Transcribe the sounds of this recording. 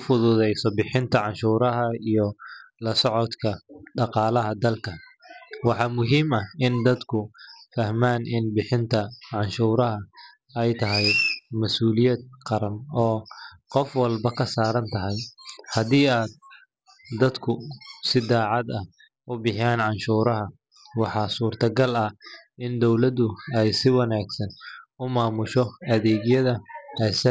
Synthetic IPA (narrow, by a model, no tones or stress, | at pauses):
ʊfʊðʊðɛjsɔbɪħɪnt̪ʰɐʕɑnʃuːɾɐɦɐijɔlɐsɔʕɔd̪kʰɐɖɑqɑːlɐɦɐd̪ɐlkʰɐ | wɑħɑːmʊɦiːmɐhɪnd̪ɐd̪kʰʊfɐhmaːnɪnbɪħɪnt̪ʰɐʕɑnʃuːɾɐɦɐ | ɛjt̪ʰɐɦɛjmɐsuːlɪjɛd̪̚qɑɾɐnɔːqɔfwɐlbɐkʰɐsaːɾɐnt̪ʰɐɦɛjhɐðiːaːd̪̚ː | ɐd̪kʰʊsɪd̪aːʕɑd̪ɐh | ʔʊbɪħjaːnʕɑnʃuːɾɐɦɐ | wɑħɑːsuːrt̪ʰɐɡɐlɐɪnd̪ɔwlɐd̪ʊɛjsɪwɑnaːɡsɐnʊmaːmʊʃɔɐðɛːɡjɐðɐɛsɐ